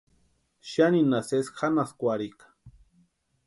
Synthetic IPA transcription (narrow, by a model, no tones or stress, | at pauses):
ʃjaninasesxanaskʷaɾikḁ